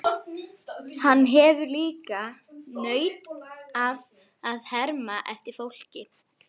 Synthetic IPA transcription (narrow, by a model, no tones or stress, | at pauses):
hanːɦɛːvʏɾliːkanœːɥt̪av | aðhɛɾmaʔɛft̪ɪɾ̥fowl̥cɪ